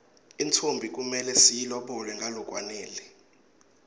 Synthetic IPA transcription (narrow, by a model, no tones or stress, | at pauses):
int͡sʰombʱik̬ʼumɛlɛsijilɔɓɔlɛŋɡʱalɔk̬ʼwaneːli